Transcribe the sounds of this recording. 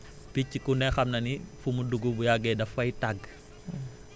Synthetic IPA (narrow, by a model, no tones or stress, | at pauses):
picːikunɛxɐmnɐnifumuduɡubujaɡɛdɐfɐjtaɡ